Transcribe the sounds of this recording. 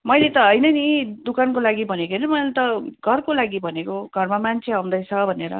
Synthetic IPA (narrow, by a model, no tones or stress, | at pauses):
mʌjlet̪ʌɦʌjnʌnid̪ukankolaɡibʱʌnekonʌmʌjlet̪ʌɡʱʌrkolaɡibʱʌnekoɡʱʌrmamant͡sʰeaũnd̪ʌjt͡sʰʌbʱʌneɾʌ̰